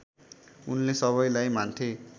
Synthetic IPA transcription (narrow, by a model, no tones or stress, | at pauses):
unlesʌβʌjlajmant̪ʰe